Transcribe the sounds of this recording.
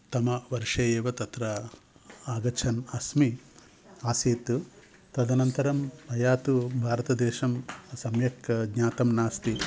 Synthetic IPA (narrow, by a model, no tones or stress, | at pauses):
t̪ɐmɐʋɐɾʂɐjeːʋɐt̪ɐt̪ɾɐ | aːɡɐt͡ʃʰɐnɐsmi | aːsiːt̪u | t̪ɐd̪ɐnɐnt̪ɐɾɐmbʱɐjaːt̪ubʱaːɾɐt̪ɐd̪eːʃɐmsɐmjɐkɡɲaːt̪ɐmnaːst̪i